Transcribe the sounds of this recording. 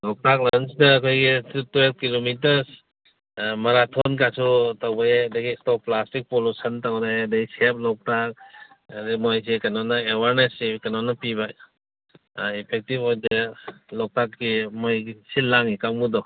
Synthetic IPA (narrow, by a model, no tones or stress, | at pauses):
lɔk̚tak̚lansdɐːkʰojɡitʰutwelp̚kilomitɐɾs | mɐɾatʰɔnkasʰutawbajaɐdɐɡistɔplastik̚polusɐntawɾajɐdɐɡisep̚lɔk̚tak̚ | demojs̬ekanɔnaewaɾnesikɐnɔnapiβa | ipʰek̚tipojdelɔk̚takːimojɡisilaŋikawmudɔ